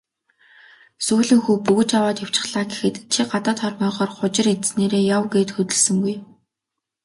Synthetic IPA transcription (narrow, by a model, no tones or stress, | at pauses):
suːɮĭŋxuːpuɣɵ̆t͡ɕawaːt̪jaw̥t͡ɕɪ̥̆χɮaːɡexɘ̆t̪t͡ɕʰiɢat̪ə̆ːt̪χœrmœːʁɔːrχʊt͡ɕɪ̆rit̪sneːɾeːjawɡeːt̪xɵt̪ɘ̆ɮsɵ̆ŋɡuj